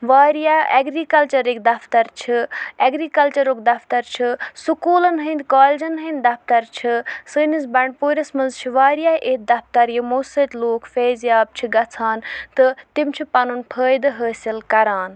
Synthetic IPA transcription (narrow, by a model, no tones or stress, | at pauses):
ʋaːɾijaɐ̰ɡɾikɐlt͡ʃɐɾekd̪ɐpʰt̪ɐɾt͡ʃʰiɐɡɾikɐlt͡ʃɐɾoːkd̪ɐpʰt̪ɐɾt͡ʃʰisukuːlɐnɦənd̪kaːled͡ʒɐnɦɐ̃nd̪ɐpʰt̪ɐɾt͡ʃʰisɨːnisbɐɳɖpuːɾʲɐsmɐnzt͡ʃʰiʋaːɾijaːʔeːk̪̚d̪ɐpt̪ɐɾjimoːsət̪ʲloːkfeːzjaːb̚t͡ʃʰiɡɐt͡sʰaːnt̪ɨt̪imt͡ʃʰipɐnunpʰəːjd̪ɨɦəːsilkɐɾaːn